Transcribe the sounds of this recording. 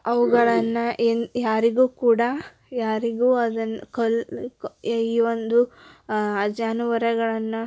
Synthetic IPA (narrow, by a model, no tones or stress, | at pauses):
ɐʋuɡɐɭɐnːɐʔenjaːɾiɡuːkuːɽɐ | jaːɾiɡuːɐd̪ɐnːklkiːʋond̪u | ɐd͡ʒaːnuʋɐɾɐɡɐɭɐnːɐ